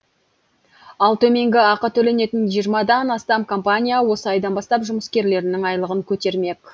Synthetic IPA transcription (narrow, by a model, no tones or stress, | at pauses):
ɑlˠt̪ʰɵme̞ŋɡʲɪɑqət̪ʰɵle̞ne̞t̪ɪnʒijəɾmɑd̪ɑnɑst̪ɑmkʰo̞mpanʲijawo̞səɑjd̪ɑnbɑst̪ɑpʒʊməskʲe̞ɾle̞ɾɪnɪŋɑjlˠəʁəŋkʲʰɵt̪e̞ɾme̞k